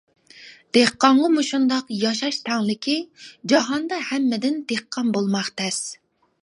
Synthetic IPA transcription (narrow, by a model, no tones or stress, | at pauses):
d̪̥eqːɑɴʁɑmuʃund̪ɑqjɑʃɑʃt̪ʰɛŋlɪkʲʰid͡ʒɑɦɑnd̪ɑhɛmːɪd̪ɪnd̪eqʰːɑnbolˠmɑχt̪ʰɛs